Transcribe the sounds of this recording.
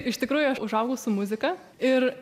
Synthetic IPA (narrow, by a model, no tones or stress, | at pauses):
ɪʃt̪ʲɪkɾuːjʊɐʊʒɐʊɡɐʊsʊmʊzʲɪkɐ | ɪɾ